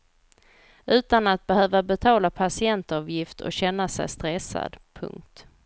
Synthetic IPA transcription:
ʉ̟ːt̪anat̪̚bɛhøːvabɛt̪ʰɑːlapʰasɪɛnt̪ɑːvjɪft̪ʰɔ̰ɕɛnːasɛ̰jst̪ɾɛsːa̰d̪pʰɵ̰ŋk̚t̪

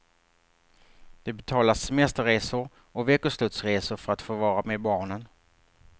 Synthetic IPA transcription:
d̪̥ɛbɛt̪ʰɑːlasːɛmɛst̪əɾeːsʊɾ | ɔveːkʊslɵt̪sɾeːsʊɾfœɾat̪foːvɑːɾameːd̪bɑːɳən

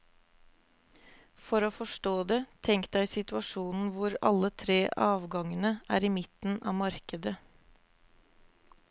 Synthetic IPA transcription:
fɔɾoːfɔʂʈoːd̪ɛt̪ʰɛŋk̪̚d̪æɪsɪt̪ʉɑʂuːnn̩ʋʊɾɑ̰lːət̪ʰɾeːʔɑːʋɡɑŋənəʔæ̰ːɾimɪt̪n̩ɑ̰ːmɑɾkəd̪ə

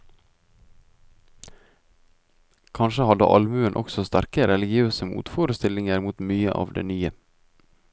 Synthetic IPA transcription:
kʰɑnʃəhɑd̪ə̰ʔɑlmʉənʔɔ̰ksɔst̪æɾkəɾɛlɪɡɪøːsəmṵːt̪foːɾəst̪ɪlɪŋəɾmuːt̪myːəʔɑ̰ːʋd̪ḛːnyːə

